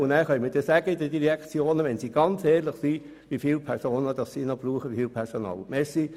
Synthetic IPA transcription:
ʊndæːɾχœʏmədɛsæːɡəid̥ədiɾɛkt͡sjoːnəʋɛnsiːɡ̥ɑnt͡sɛːɾlɪχsi | ʋifiːlpʰɛɾsoːnəd̥ɑssiːnɔb̥ruːχəʋifiːlpʰɛɾsonɑ̰ːlmɛsi

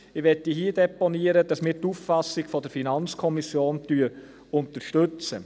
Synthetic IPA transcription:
ɪʋɛtːihiədɛpɔniəɾəd̥ɑsmɪːɾtufːɑsɪɡfɔdəɾfinɑnt͡skʰɔmisjoːntyːəɾ | ʊnt̪əɾʃtʏt͡sə

